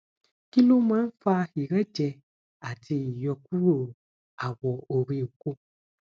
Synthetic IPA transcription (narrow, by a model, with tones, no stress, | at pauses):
ki˦lõ˦mã˦n̩˦fa˧xi˨ɾɛ˦d͡ʒɛ˧ | a˨ti˧ji˨jɔ˧k̚u˦ɾo˨ | a˨wɔ˨o˨ɾi˧o˨ko˦